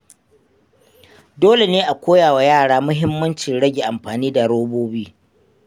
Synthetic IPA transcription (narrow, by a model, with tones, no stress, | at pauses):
doː˦le˨neː˦ʔa˨kʷoː˦jaː˨wa˨jaː˦˨ɽaː˦mʊ˦ɦɪ˦mːɐ˦nt͡ʃɪ˨nɽɐ˦ɡʲe˨ʔa˨mɸaː˨niː˦da˨ɽoː˦boː˦biː˦